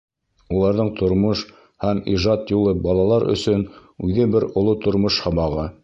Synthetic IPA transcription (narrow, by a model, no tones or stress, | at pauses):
ulˠɑɾðɤɴt̪ʰŏɾmoʃ | hæmiʒɑt̪julˠɤbɑlˠɑlˠɑɾʔɵ̰̆sɵnʉðɘbɘɾŏlˠot̪ŏɾmoʃhɑbɑʁɤ